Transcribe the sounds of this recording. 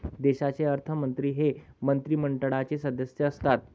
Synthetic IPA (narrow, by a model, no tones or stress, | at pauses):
d̪eɕat͡seəɾt̪ʰəmənt̪ɾiːɦemənt̪ɾiːməɳʈəɽat͡sesəd̪əsjəːst̪at̪̚